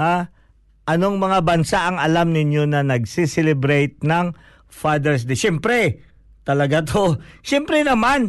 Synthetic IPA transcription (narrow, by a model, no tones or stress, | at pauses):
a | ʔɐno̞ŋmɐŋabɐnsaʔɐŋɐlamnɪɲjo̞nɐnɐɡ̚sisɛlɛbɾɛjt̪̚nɐŋ | fad̪ɛɹs̬d̪ɛʃɛmpɾɛ | t̪ɐlɐɡat̪ʰoʃɛmpɾɛnɐman